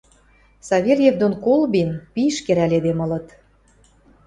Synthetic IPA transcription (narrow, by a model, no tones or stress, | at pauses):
sɑβʲelʲjevd̪onkolˠbinpiʃkeɾælʲed̪emɤ̆lɤ̆t̪